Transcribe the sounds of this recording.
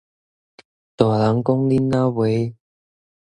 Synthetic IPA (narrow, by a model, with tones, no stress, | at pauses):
t̪ɔ˨˩˨la˨˦ŋkʊ˦˥ŋli˦˥nːa˦we˨˦